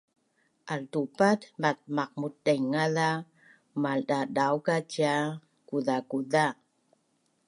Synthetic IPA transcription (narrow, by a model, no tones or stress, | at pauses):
ʔaltupatmat̚maq̚mut̚dajŋaða | maldadawkaca | kuðakuða